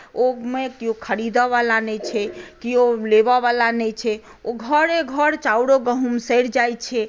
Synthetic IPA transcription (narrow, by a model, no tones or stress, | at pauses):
omekiokʰəɽid̪ɔʋalanɛt͡ʃʰɛkiolebaʋalanɛt͡ʃʰɛ | oɡʱəɾeɡʱəɾt͡ʃauɽoɡəɦumsəjɾd͡ʒajt͡ʃʰɛ